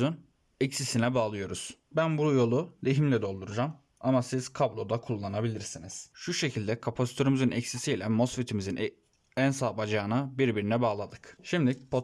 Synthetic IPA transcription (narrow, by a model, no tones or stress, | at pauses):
yn | ɛcsisinɛbaːlˠɯjo̞ɾuz̥ | bænbujo̞lˠuleɦimlʲɛd̪o̞lˠd̪uɾud͡ʒam | amasiz̥kʰablˠo̞d̪akʰulˠːanabilʲiɾsiniz̥ʃuʃe̞cʰilʲd̪ɛkʰapʰasi̥t̪ʰøɾimizɯnɛcsisijlʲɛmo̞sfit̪ʰimizin | ænsaːbad͡ʒaːnabiɾbiɾinɛbaːlˠad̪ɯkʃimd̪ipʰo